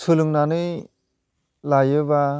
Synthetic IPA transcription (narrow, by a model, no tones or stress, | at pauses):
sɯluŋnanɯj | lajɯba